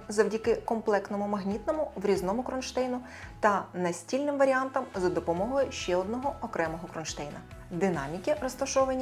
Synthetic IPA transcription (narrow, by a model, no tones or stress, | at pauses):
zɐwdʲɐkɪkɔmplˠɛkt̪nɔmʊmɐɦnʲit̪nɔmʊʋɾʲiznɔmʊkɾɔnʃt̪ɛjnʊ | t̪ɐnɐsʲtʲilʲnɪmʋɐɾʲiant̪ɐmzɐd̪ɔpɔmɔɦɔjʊʃt͡ʃɛɔd̪nɔɦɔɔkɾɛmɔɦɔkɾɔnʃt̪ɛjnɐ | d̪ɪnɑmʲikʲirɔst̪ɐʃɔʋɐnʲː